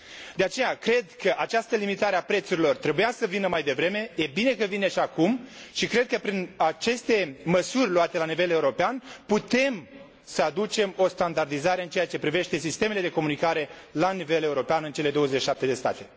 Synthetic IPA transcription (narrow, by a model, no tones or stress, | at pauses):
d̪e̞at͡ʃe̞jakɾe̞d̪kəʔat͡ʃast̪əlimit̪aɾeapɾe̞t̪suɾilo̞rt̪ɾe̞bujasəvinəmajd̪e̞vɾe̞me̞je̞bine̞kəvineʃakumʃikɾe̞d̪̚kəpɾinat͡ʃe̞st̪e̞məsurʲloat̪e̞lanive̞leuɾo̞peanput̪e̞m | səad̪ut͡ʃe̞mo̞st̪and̪ard̪izaɾeɨnt͡ʃejat͡ʃe̞pɾive̞ʃt̪e̞sist̪e̞mele̞d̪e̞ko̞munikaɾe̞lanive̞le̞uɾo̞peanɨnt͡ʃe̞le̞d̪o̞wəzeʃiʃap̚t̪e̞d̪e̞st̪a̰t̪e̞